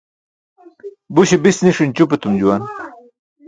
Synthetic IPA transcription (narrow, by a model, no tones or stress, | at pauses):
buɕebisniʂinʲt͡ɕupet̪umd͡ʑuwan